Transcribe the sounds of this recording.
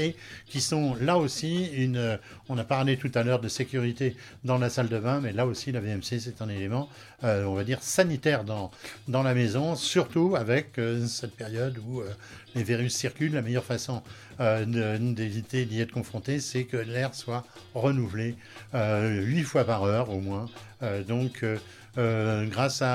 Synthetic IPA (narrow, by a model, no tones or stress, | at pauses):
ekʲisɔ̃laosiynø | ɔ̃napaʁlet̪ut̪alœʁd̪əsekʲyʁit̪e | d̪ɑ̃lasald̪əvɛ̃mɛlaosilaveɛmses̬ɛt̪ɛ̃nelemɑ̃ | øɔ̃vad̪iʁsanit̪ɛʁd̪ɑ̃d̪ɑ̃lamezɔ̃syʁt̪uavɛkøsɛt̪̚peʁjɔd̪uøleveʁysːiʁkʲyllamɛjœʁfasɔ̃ | ød̪əd̪evit̪ed̪iɛt̪χə̥kɔ̃fχɔ̃t̪esɛkəlɛʁswa | ʁənuvle | øɥifwapaʁœʁomwɛ̃ | ød̪ɔ̃kʰø | ɡʁasa